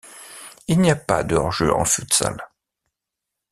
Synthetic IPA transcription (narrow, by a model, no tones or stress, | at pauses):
ilniapa̰d̪ɔʁʒøɑ̰̃fut̪sa̰l